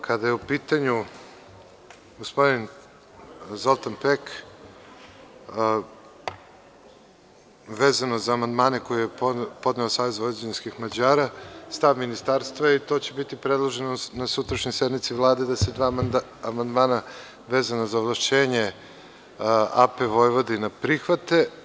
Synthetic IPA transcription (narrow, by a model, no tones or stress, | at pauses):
kʰad̪ajeupiːt̪aɲu | ɡospo̞d̪in | zo̞lˠt̪anpek | ʋeːzanozaːmand̪maːneko̞jijepo̞d̪neosaːʋe̞zvoj̪ed͡ʑenskixmad͡ʑaːɾast̪aːʋminist̪aːɾst̪vait̪o̞ːt͡ɕe̞bit̪ipɾed̪lˠoʒenonasut̪ɾaʃɲojsed̪mit̪siʋlˠaːd̪ed̪ase̞d̪ʋaːamand̪maːna | ʋeːzanazaoʋlˠaʃt͡ɕe̞ːɲe | a̰peʋo̞jʋo̞d̪inapɾixʋat̪e